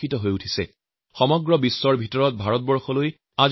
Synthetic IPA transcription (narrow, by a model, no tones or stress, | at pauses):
itɔɦojutʰisɛ̰ | xɔmɔɡɹɔbisːɔɹbʱitɔɹɔt̚bʱaɹɔt̚bɔɹxɔloj | az